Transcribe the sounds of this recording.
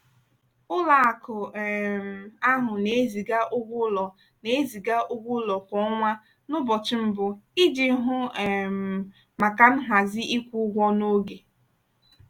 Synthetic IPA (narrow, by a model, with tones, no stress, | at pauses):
ʊ˦la˨a˨kʊ˨m̩˨a˦ɦʊ˨ne˨e˦zi˨ɡa˦ʔʊ˦ɡʷʊ˦lɔ˨ | ne˦zi˨ɡa˦ʔʊ˦ɡʷʊ˦lɔ˨kʷɔ˨˦ŋʷa˦ | nʊ˦bɔ˨t͡ʃɪ˦m̩˦bʊ˨i˦d͡ʒi˨˦ɦʊ˦˨ | ma˨ka˦n̩˦ɦa˨zɪ˦ʔi˦kʷu˦ɡʷɔ˦no˦ɡe˨